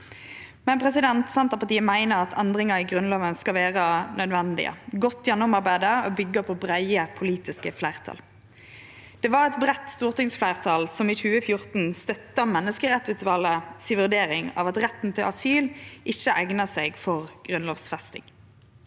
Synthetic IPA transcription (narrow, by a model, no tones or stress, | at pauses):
mɛnpʰʁɛsɪd̪ɛnt̪sɛnt̪ʁəpɑʈ̪iːəmæɪnəʁɑt̪ʰɛnd̪ʁɪŋəiɡʁʉnloːʋənskɑlʋeːʁənœd̪ʋɛnd̪ɪ̰ə̰ɡɔt̪ːjɛnːʊmɑʁbæɪd̪əoːbʏɡːəpʰoːbʁæɪəpʰʊliːt̪ɪskəflæɪʁt̪ʰɑ̰ːl | d̪̥ɛːʋɑʁɛt̪bʁɛt̪st̪uːʁt̪ɪŋsflæɪʁt̪ʰɑːlsɔmiçʉːəfjʊʁt̪n̩st̪œt̪ːəmɛnːəskəʁɛt̪sʉːt̪ʋɑləsiʋʉʁd̪eːʁɪŋɑ̰ːʋɑt̪ʁɛt̪ːn̩t̪ʰɪlʔɑsyːlʔɪçːəʔæɡnəseːɡfɔʁɡ̥ʁʉnloːʋsfʁɛst̪ɪ̰ŋ